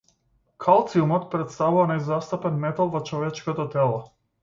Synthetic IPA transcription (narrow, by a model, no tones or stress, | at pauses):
kʰalˠt̪siumɔt̪pɾɛt̪st̪avuvanɛjzast̪apɛnmɛt̪alˠvɔt͡ʃɔvɛt͡ʃkɔt̪ɔt̪ɛlˠɔ